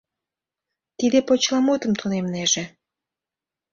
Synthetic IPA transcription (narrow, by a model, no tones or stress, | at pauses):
t̪id̪epot͡ɕlɑmot̪əmt̪ʰunemneʒĕ